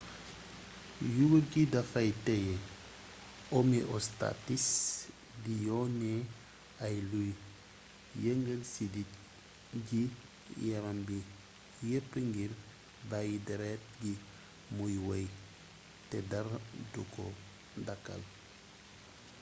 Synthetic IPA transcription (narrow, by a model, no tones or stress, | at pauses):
juɡulɡidafajteje | omiʔosta̰tis | dijone | ajluj | jeŋɡelsidit̚ | ɟi | jaɾambi | jepːiŋɡiɾ | bajideɾet̚ɟi | mujwej | tedaɾduko | daka̰l